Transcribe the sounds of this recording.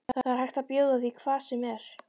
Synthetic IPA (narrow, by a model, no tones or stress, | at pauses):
θaθaaɾ̥hajht̪aðpjoːwðaðiikʰvaːsɛmɛɾ̥